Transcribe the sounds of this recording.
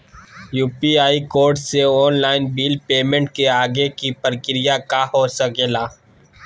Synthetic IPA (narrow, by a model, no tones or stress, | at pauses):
juːpiaːikoːɾɖseɔːnlaːɪnbiːlpeːmẽɳʈkeaːɡekipəɾkɪɾɪjakaɦosɐkeːlaː